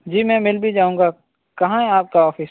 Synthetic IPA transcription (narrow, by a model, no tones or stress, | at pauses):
d͡ʒiːmɛ̃ːmɪlbʱid͡ʒaːũːŋɡaː | kɐɦãɦɛ̃aːp̚kaɔːfɪs